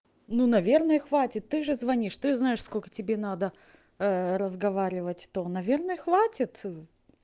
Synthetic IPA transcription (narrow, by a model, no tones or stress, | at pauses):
nunɐvʲe̞rnəjəxvatʲɪt̪ːɨʐɨzvɐnʲiʂt̪ɨznajɪʂsko̞lʲkə̥tʲɪbʲe̞nad̪ə | ɾəzɡɐvaɾʲɪvətʲt̪onɐvʲe̞rnəjəxvatʲɪt̪